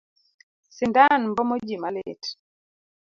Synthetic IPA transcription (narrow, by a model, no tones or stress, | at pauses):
sɪndanmbɔmɔd͡ʒimalḛt